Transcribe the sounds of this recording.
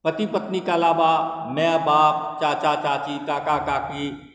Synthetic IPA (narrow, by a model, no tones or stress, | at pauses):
pət̪ipət̪nikalaːʋamɛ̃baːp̚t͡ʃaːt͡ʃat͡ʃaːt͡ʃit̪aːkakaːki